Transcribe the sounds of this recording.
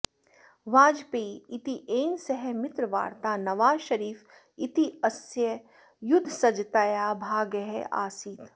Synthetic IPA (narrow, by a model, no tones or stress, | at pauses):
ʋãːd͡ʒpeːɪt̪iʔeːnsɐɦɛmɪt̪ɾəʋa̰ːɾt̪aːnɐʋaːzʃɐɾiːf | ɪt̪iɐsjə | jʊd̪ʱːsɐd͡ʒt̪aːjaːbʱaːɡəɦɛa̰ːsiːt̪